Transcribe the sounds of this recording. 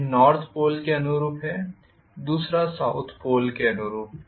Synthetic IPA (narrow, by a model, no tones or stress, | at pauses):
nɔːɾt̪ʰpoːlkeɐnuɾuːpɦɛ | d̪uːsɾasaʊt̪ʰpoːlkeɐnʊɾuːp̚